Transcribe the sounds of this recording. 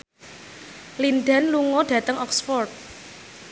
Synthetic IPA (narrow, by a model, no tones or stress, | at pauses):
lind̪a̤nluŋɔɖ̥ä̤t̪əŋʔɔksfɔrt̪̚